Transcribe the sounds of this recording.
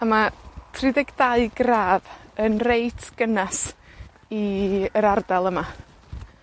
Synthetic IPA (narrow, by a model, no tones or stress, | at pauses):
amatʰrɪðɛɡdaɨɡraːvənrejtʰɡ̥ənas | iəɾardalˠəma